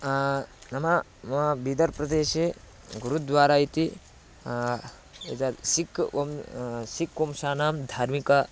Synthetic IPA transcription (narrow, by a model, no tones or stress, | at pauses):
nɐmɐ | mbid̪ɐɾpɾɐd̪eːʃe | ɡuɾud̪ʋaːɾait̪i | et̪asikomsikːomʃaːnaːmd̪ʱaːɾmika